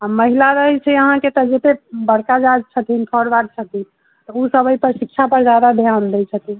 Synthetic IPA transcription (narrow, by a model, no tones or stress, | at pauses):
aməɦilaɾəɦit͡ʃʰɛəɦãket̪ɔd͡ʒet̪ebəɽkad͡ʒad͡ʒt͡ʃʰət̪int̪ʰɔɽbaɾ̚t͡ʃʰət̪in | t̪ɔusəbəjpəɾsikːʃʰapəɾd͡ʒjad̪ad̪ʱjand̪ɛt͡ʃʰət̪i